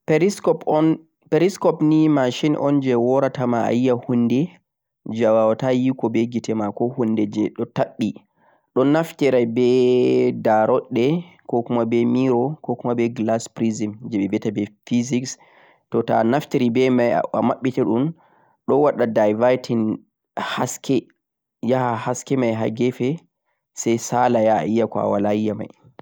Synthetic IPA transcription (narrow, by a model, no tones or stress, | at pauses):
pskɔɔn | peɾiskɔpnimaʃinʔɔ̰nd͡ʒɛwɔɾatamaa̰jijahundɛ | d͡ʒawawatajikɔbɛɡitɛmakɔhundɛd͡ʒɛɗɔtaɓːi | ɗɔnaftɛɾabɛdaɾɔɗːɛkɔkumabɛmiɾɔkɔkumabɛɡlaspɾizimd͡ʒɛɓɛbɛtabɛfiziks | tɔtanaftiɾibɛmaja̰amaɓːitɛɗum | ɗɔwaɗadajvajtʰin | haskʰɛ | jahahaskɛmajɦa̰ɡɛfɛ | sɛjsalaja̰ijakɔa̰walaijːama̰j